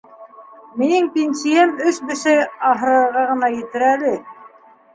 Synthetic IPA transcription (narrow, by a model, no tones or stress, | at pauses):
minɘŋpʲensiæmɵʃbɘ̆ʃæɑɦɤ̆ɾɤ̆ɾʁɑʁɤ̆nɑjɘ̆t̪ɘ̆ɾælɘ